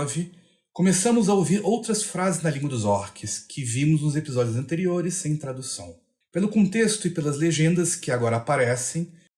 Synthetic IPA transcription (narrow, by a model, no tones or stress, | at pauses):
vɪ | kõmesɐ̃mʊzaowviɾowt̪ɾɐsfɾazɪznɐlĩɡwɐd̪ʊzɔɾkʰɪskʰɪvĩmʊznʊzepizɔd͡ʒiʊzɐ̃nt̪eɾioɾɪsːẽj̃t̪ɾad̪usɐ̰̃w̃ | pelʊkõt̪est̪ʊɪpelɐzleʒẽnd̪ɐskɪaɡɔɾɐːpaɾɛsẽj̃